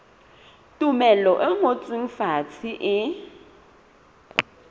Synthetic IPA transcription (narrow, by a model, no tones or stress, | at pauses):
tʼumɛlɔʔɛŋot͡sʼwiŋ̩fat͡sʰiʔɪ